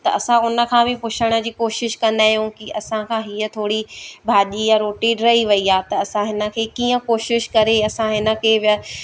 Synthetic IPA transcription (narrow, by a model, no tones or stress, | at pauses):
t̪ɐʔɐsãʊnə̆kʰãːbɪpʊt͡ɕʰəɽ̃ə̆d͡ʑiːkoːʃɪʃkɐ̃nd̪aːɦijũkɪɐsãkʰãːɦiːət̪ʰoːɽibʱaːʄijaɾoːʈeːɖɾɐɦiʋɐiaːt̪ɐːsãɦɪnə̆kʰeːkiːə̃koːʃɪʃkɐɾeɐsãɦɪnə̆kʰeːb